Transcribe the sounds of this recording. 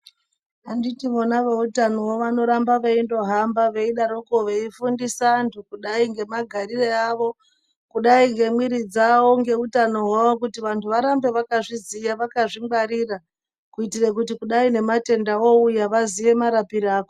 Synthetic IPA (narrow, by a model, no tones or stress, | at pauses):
anditiʋonaʋeutanowoʋano̞ɾambaʋeindo̞ɦambaʋeiɗaɾoko̞ʋeifundisantʰukuɗaiŋɡe̞maɡʱaɾireaʋo̞ | kuɗaiŋɡe̞mwiɾid͡zawo̞ŋɡe̞utano̞waʋo̞kutiʋantʰuʋaɾambe̞ʋakaʐizijaʋakaʐiɡ͡baɾiːra | kuitirek̬ut̬ikuɗaine̞mate̞ndaoujaʋaziʋe̞maɾapiɾaːko